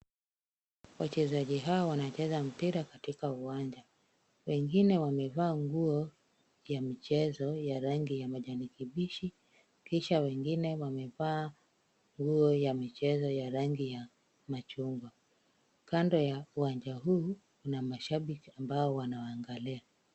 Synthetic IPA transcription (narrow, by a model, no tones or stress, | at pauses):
wat͡ʃɛzaʄiɦawawanat͡ʃɛzam̩piɾakatikauwaɲd͡ʒa | wɛŋɡinɛwamɛvaːŋɡuɔ | jamit͡ʃɛzɔjaɾaŋɡijamaʄanikiɓiʃi | kiʃawɛŋɡinɛwamɛvaː | ŋɡuɔjamit͡ʃɛzɔjaɾaŋɡija | mat͡ʃuŋɡwa | kandɔjauwaɲd͡ʒaɦuːkunamaʃaɓikiambaɔwanawaŋɡalia